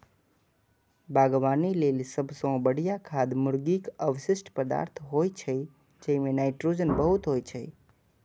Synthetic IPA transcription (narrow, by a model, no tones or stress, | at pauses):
baɡʋanilelsəbʱsõbəɽijakʰad̪mʊɾɡikəʋʃɪʃʈpəd̪a̰ɾt̪ʰɦojt͡ʃʰe | d͡ʒemẽnajʈɾud͡ʒənbəɦut̪ɦojt͡ʃʰḛ